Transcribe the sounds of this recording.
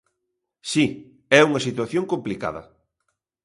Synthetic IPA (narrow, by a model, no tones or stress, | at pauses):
si | ɛuŋɐsit̪waθjoŋkomplika̰ðɐ̰